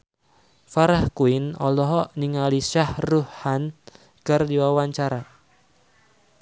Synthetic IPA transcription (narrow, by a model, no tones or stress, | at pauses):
faɾahkuɪnɔ̰lɔɦɔʔniŋaliʃahruhhan | kərdiwawaɲt͡ʃaɾa